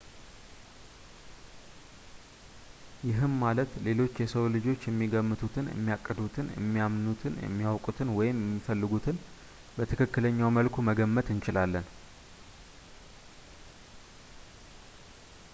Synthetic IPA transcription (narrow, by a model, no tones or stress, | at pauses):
jɪɦɨnmalət̪le̞lo̞t͡ʃːjɛsəwlɨd͡ʒo̞t͡ʃːjɛmːiɡəmːɨt̪ʰut̪ʰɨnjʔɛ̰mːijakʼːəd̪ut̪ʰɨnjɛ̰mːijamnut̪ʰɨnjɛ̰mːijawkʼut̪ʰɨnwɔjɪmjɛmːifəlːɨɡut̪ʰɨn | bət̪ʰɨkʰɨkːɨləɲːawməlkʰuməɡəmːət̪ɨnt͡ʃɪlalːən